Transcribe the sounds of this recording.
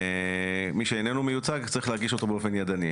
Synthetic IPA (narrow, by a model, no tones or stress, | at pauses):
miʃeenenumejut͡saɡt͡saʁiχleaɡiʃo̞t̪o̞beofe̞njad̪ani